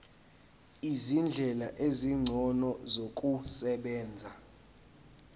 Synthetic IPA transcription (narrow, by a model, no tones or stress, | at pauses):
izind͡ɮʱɛlaʔeziŋ͡ǀʱɔnɔzok̬ʼusɛɓɛːnd͡zʱa